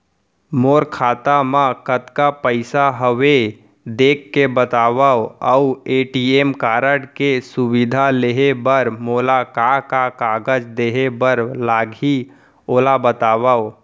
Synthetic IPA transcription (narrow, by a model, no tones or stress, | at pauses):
moːɾkʰaːt̪amãkət̪kapəɪsaɦəʋe | d̪eːkːebət̪aːʋaoəueːʈieːmkaːɾəɽkesubid̪ʱaleɦebəɾmoːlakakakaːɡəd͡ʒd̪eːɦebəɾlaːɡɦi | oːlabət̪aːbao